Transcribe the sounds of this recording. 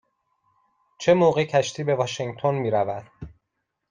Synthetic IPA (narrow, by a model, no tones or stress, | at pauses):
t͡ʃʰe̞moːɣe̞cʰæʃt̪ʰiːbe̞vɒʃeŋɡt̪ʰo̞nmiːɾævæd̪̥